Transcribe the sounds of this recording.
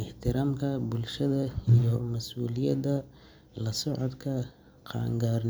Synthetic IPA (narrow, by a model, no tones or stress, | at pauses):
ɪħt̪ʰɪɾaːmkʰɐbʊlʃɐðɐijɔmɐsʔuːlɪjɐd̪ɐ | lɐsʊʕʊd̪kʰɐ | qʰɑ̰ːŋɡaːɾn